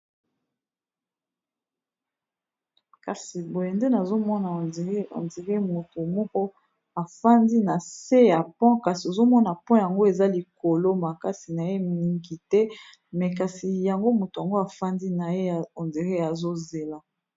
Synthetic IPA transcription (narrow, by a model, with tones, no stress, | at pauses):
ka˨si˨bo˨je˨nde˦na˨zo˦mɔ˦na˨˦o̰˨nze˨ʁe˦mo˨to˨mɔ˦kɔ˦ | a˨fa˦ndi˦na˨se˦ja˨pɔ̃˦ka˨si˨o˨zo˦mɔ˦na˨pɛ̃˦ja˨ŋɡo˦e˨za˦li˨ko˨lo˦ma˨ka˦si˨na˨je˦m˨i˦ŋɡi˨tɛ˦ | mɛ˨k̬a˨si˨ja˨ŋɡo˦mo˨to˨ja˨ŋɡo˦a˨fa˦ndi˦na˨e˦˨o˨nze˨ʁe˦a˨zo˦ze˨la˨